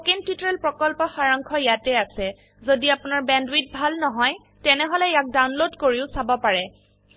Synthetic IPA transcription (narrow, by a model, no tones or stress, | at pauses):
kintitɹɛlpɹɔkɔlpɔxaɹaŋkʰɔjatɛasɛ | zodiapunaɹbɛndwit̚bʱalnɔɦɔj | tɛnɛɦɔlɛjak̚dawnlodkoɹiʊsabɔpaɹɛ